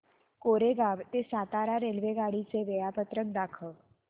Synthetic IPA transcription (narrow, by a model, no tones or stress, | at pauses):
koɾeɡaʋt̪esat̪aɾaɾelʋeɡaɽit͡seʋejapət̪ɾək̚d̪akʰə